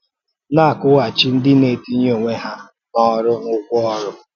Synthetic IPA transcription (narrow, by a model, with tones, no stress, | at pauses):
na˦˨kʊ˦ɣa˨t͡ʃi˦n̩˦dɪ˦ne˨˦ti˦ɲ˦o˨ŋʷe˦ɦa˦ | nɔ˦ɾʊ˦ŋʊ˦kʷʊ˦ɔ˦ɾʊ˦